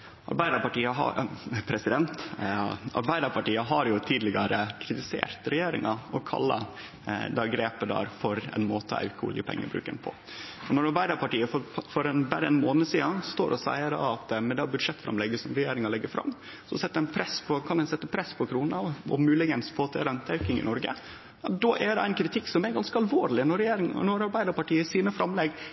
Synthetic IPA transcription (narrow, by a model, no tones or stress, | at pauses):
ʔɑ̰ɾbæɪd̪əɾpɑʈiːəɦɑ̰pʰɾɛsɪd̪ɛnt̪ | ɑ̰ɾbæɪd̪əɾpʰɑʈiːəɦɑɾjʊt̪ʰiːd̪lɪɡɑɾəkʰɾɪt̪ɪsḛːɾt̪ɾɛjeːɾɪ̰ŋɑɔkʰɑ̰lːɑ̰ | d̪ɛɡɾeːpəd̪ɑ̰ːɾfɔɾɛ̰nmoːt̪ʰəæ̰kʊ̰ləpʰɛ̰ŋːə̰bɾʉ̰ːkɛ̰npʰɔ̰ | ɔnːɔɾɑɾbæɪd̪əɾpɑʈiːəfɔfɔɾɛnbæɾəɛnmoːnəsiːɑst̪o̰ːɾʔɔsæ̰ɪəɾɑ̰ɑt̪mɛd̪ɑbʉd̪ʂɛt̪ːfɾɑ̰mlɛɡəsɔmɾɛjeːɾɪŋɑlɛɡːəfɾɑ̰mː | sɔsɛt̪ːəɛnpʰɾɛspʰɔkʰɑnɛnsɛt̪ːəpʰɾɛspʰɔkʰɾuːnɑɔ̰mʉːlɪɡənspʰoːt̪ʰḛːɾɛnt̪ʰɑʉkɪŋɪ̰nɔɾɡə̰ | d̪ɔːʔɛd̪ɛæɪnkʰɾɪt̪ʰɪkːsɔmɛɾɡɑnskəɑlʋoːɾlɪnɔɾɛjeːɾɪŋnɔɾɑɾbæɪd̪əɾpɑʈiːəsiːnəfɾɑmlɛɡ